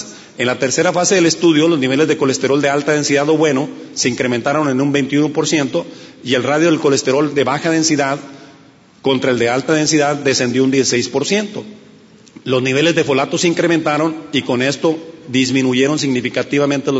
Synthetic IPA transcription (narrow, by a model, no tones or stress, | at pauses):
enlat̪e̞ɾse̞ɾafase̞ðe̞le̞st̪uðjo̞lo̞zniβ̞e̞le̞zðeko̞le̞st̪e̞ɾo̞ld̪e̞alt̪að̞e̞nsiðaðo̞βwe̞no̞se̞iŋkɾe̞mẽnt̪aɾo̞nenũmbe̞jnt̪iunopo̞ɾsje̞nt̪o̞ie̞lraðjo̞ðelko̞le̞st̪e̞ɾo̞ld̪e̞βaxað̞e̞nsiðað | ko̞nt̪ɾae̞ld̪e̞alt̪að̞e̞nsiðaðːe̞se̞nd̪jound̪jesisejspo̞ɾsje̞nt̪o̞ | lo̞zniβe̞le̞zðe̞fo̞lat̪o̞seiŋkɾemẽnt̪aɾo̞niko̞ne̞st̪o̞ðizmĩnuʝe̞ɾo̞ns̬iɣnifikat̪iβamẽnt̪elo